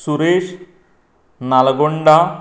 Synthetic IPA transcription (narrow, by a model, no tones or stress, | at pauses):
suɾeɕ | nalɡoɳɖa